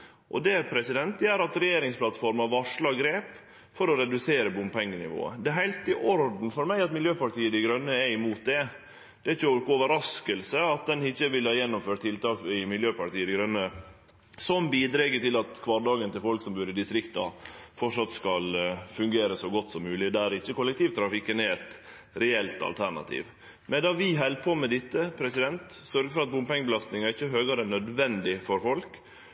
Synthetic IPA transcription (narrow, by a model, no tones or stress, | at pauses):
ʔɔ̰d̪ɛpʰɾɛsɪd̪ɛnt̪jæːɾɑt̪ɾɛjeːɾɪŋspʰlɑt̪fɔɾmɑʋɑʂlɑɡɾeːp | fɔɾɔɾɛd̪ʉseːɾəbɔmpʰɛŋːənɪ̰ʋo̰ːə̰d̪ɛɦæɪlt̪ɪʔɔɾd̪n̩fɔɾmæɪɑt̪mɪljøːpɑʈiːəd̪ɪɡɾœnːəɛɪmuːt̪̚d̪ɛ | d̪̥ɛæɪçɔkoːʋəɾɑskəlsəɑt̪̚d̪ɛnɪçːəʋɪlhɑːjɛnːʊmføːʈ̚t̪ʰːɪlt̪ɑːkɪmɪljøːpɑʈiːəd̪ɪɡɾœnːə | sɔmbiːd̪ɾɛɡət̪ɪlɑt̪kʰʋɑːɾɖɑːɡənt̪ɪlfɔlksɔmbʉːɾəd̪ɪst̪ɾɪkt̪ɑ̰fɔʈʂɑt̪skɑlfʉŋɡeːɾəsɔɡɔt̪ːsɔmːʉːlɪd̪æɾɪçːəkʊlːɛkt̪iːʋt̪ʰɾɑfɪkːənɛɛt̪ | ɾɛɛlt̪ɑ̰lt̪ʰæɳɑ̰t̪ʰḭːʋ | mɛnd̪ɑʋɪɦɛlpʰoːmɛd̪ɪt̪ːəpʰɾɛsɪd̪ɛnt̪sœɾɡəfɔɾɑt̪̚bʊmpɛŋːbəlɑst̪nɪŋɑɪçːəɦøːɡɑɾəɛnœd̪ʋɛnd̪ɪfɔɾfɔlk